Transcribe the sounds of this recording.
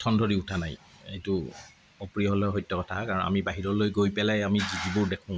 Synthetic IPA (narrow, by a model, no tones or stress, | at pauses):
tʰɔndʱoɹiutʰanaj | ejtʊ | ɔpɹiɔɦɔlɔɦɔjtːɔkɔtʰakaɹɔ̃na̰mibaɦiɹɔlojɡojpɛlajamizidibʊɹdekʰʊ̃ʊ̃